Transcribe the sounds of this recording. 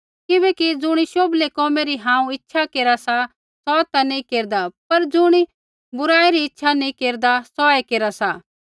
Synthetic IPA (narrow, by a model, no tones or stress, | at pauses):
kɪbɛːkid͡zʊɽ̃iʃoːblekɔːmeɾiɦãːũɪtːʃʰakeːɾasa | sɔːt̪anĩkeːɾd̪apɐɾd͡zʊɽ̃i | bʊɾaːeɾiɪtːʃʰanĩkeːɾd̪asɔːekeːɾasa